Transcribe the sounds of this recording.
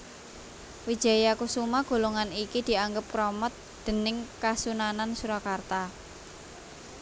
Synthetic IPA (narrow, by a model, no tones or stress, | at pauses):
wid̥ʒ̥a̤jakusumaɡ̥o̤loŋanikid̪̥i̤aŋɡəp̚kɾɔmɔt̪̚d̪̥ə̤nɪŋkasunanansuɾɔkart̪a